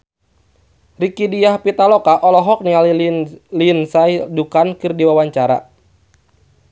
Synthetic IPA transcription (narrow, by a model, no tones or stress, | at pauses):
rikidijahpit̪alɔkaʔɔlɔɦɔk̚niallinsaidukankɨrdiwawaɲt͡ʃaɾa̰